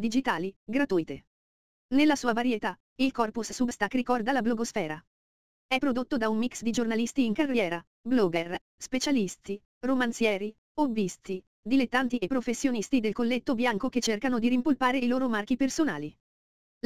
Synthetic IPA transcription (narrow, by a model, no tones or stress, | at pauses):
d̪id͡ʒit̪aːliɡɾat̪uːjt̪e | nelːasuːavaɾjet̪a | ilkɔrpusːubst̪akːɾikɔrd̪alabloɡosfɛːɾa | ɛpːɾod̪ot̪ːod̪aunmiksd̪id͡ʒornalist̪iːŋkarːjɛːɾa | blɔːɡɛr | spet͡ʃalist̪i | romant̪sjɛːɾi | obːist̪i | d̪ilet̪ːant̪iepːɾofesːjonist̪id̪elkolːet̪ːobjaŋkok̟et͡ʃːerkanod̪iɾimpolpaːɾeiloːɾomark̟ipersona̰ːli